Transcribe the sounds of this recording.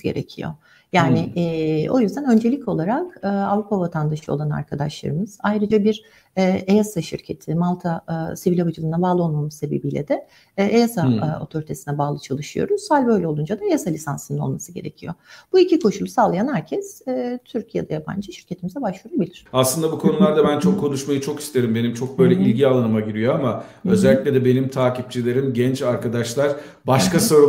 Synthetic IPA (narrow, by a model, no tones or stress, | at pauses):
ɟe̞̰ɾḛcʰḭjo̞̰ | jaːnɪʔo̞jyzd̪ænø̞nd͡ʒe̞lʲico̞lˠaɾakɯːavɾupʰavat̪ʰand̪aʃɯo̞lˠana̰ɾkʰad̪aʃlˠa̰ɾɯmɯz̥ajɾɯd͡ʒabiɾ | ɛːe̞jasaʃḭɾcʰe̞t̪ʰimalˠt̪ʰasivilʲobad͡ʒɯlˠɯnabaːlˠɯo̞lˠmamɯzse̞bebijlʲɛ̰d̪ɛ | ʔejasao̞̰t̪ʰo̞ɾit̪ʰe̞sinɛbaːlˠɯt͡ʃʰalˠɯʃɯjo̞̰ɾuz̥halʲbø̞jlʲɛlˠund͡ʒad̪aejasalʲisansɯnɯnolˠmasɯɟe̞ɾe̞̰cʰijob̥uicikʰo̞ʃulˠusaːlˠajanhæɾcʰɛsɛːt̪ʰyɾcʰijɛd̪ajapʰa̰nd͡ʒɯʃi̥ɾcʰe̞t̪ʰimizɛbaʃuɾabilʲiɾ̥aslɯnd̪abukʰo̞nulˠaɾd̪abænt͡ʃʰo̞kʰːo̞nuʃmajɯt͡ʃʰo̞ki̥st̪ʰe̞ɾimbe̞nimt͡ʃʰo̞k̚bø̞jlʲɛʔilʲɟialˠanɯmaɟiɾijo̞amaø̞zɛælʲːicʲlʲɛd̪ɛbe̞nimt̪ʰaːcip̚t͡ʃʰilʲe̞ɾimɟɛnt͡ʃaɾkad̪aʃlˠaɾ | baʃkaso̞ɾu